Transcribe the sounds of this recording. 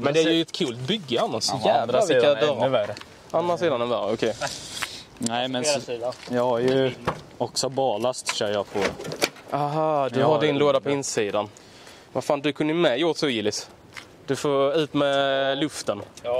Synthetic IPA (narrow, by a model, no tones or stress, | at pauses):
mɛnd̪æɾjəɛt̪kʰʉːlt̪bʏɡːəanːasjæːdɾavɪkːad̪œɾ | anɾasiːd̪anɛnvæɾɔkʰɛj | næɪmɛnːjɑːɡhaɾjɵ | ɔksɔbɑːlast̪ɕœːɾjɑpʰɔ | ʔaɦɑd̪ɵɦadɪnloːd̪apʰɔɪnsiːd̪an | vafaːnd̪ɵkʰɵnd̪əjmɛjoːt̪sɔɪːlɪs | d̪̥ɵfoːʉ̟ːt̪mɛlɵft̪ən